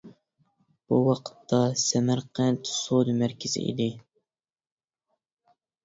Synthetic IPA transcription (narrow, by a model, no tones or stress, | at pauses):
b̥ṵwɑqʰə̥t̪ʰːɑsɛmæɾqænt̪ʰsod̪ɨmæɾkʲɪzɪ̰ʔḭd̪ɪ